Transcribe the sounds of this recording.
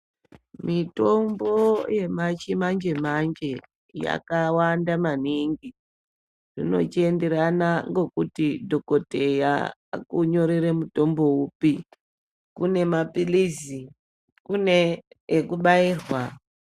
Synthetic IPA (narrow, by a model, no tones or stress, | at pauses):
mito̞mbo̞je̞mat͡ʃimand͡ʒe̞mand͡ʒe̞ | ja̰kawandamaniŋɡi | rino̞̰t͡ʃie̞nde̞ɾanaŋɡo̞kutidʱo̞ko̞te̞ja̰kuɲo̞ɾeɾemuto̞mbo̞upi | kune̞mapilizi | kuneː | kuɓaiːrwa